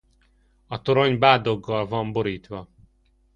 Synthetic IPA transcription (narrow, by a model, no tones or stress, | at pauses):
ɒt̪o̞ɾo̞ɲbaːd̪o̞ɡːɒlvɒmbo̞ɾiːt̪ʋɒ